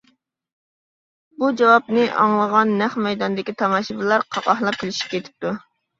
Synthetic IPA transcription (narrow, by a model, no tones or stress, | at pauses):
bud͡ʒɑwɑp̚nɪʔɑ̰ŋlˠəʁɑnːæχmɛjd̪ɑnd̪ɪkʲit̪ʰɑmɑʃibɨlˠɑɾqʰɑqɑhlˠɑp̚kʲilɪʃi̥p̚kʲʰet̪ʰɪ̥p̚t̪u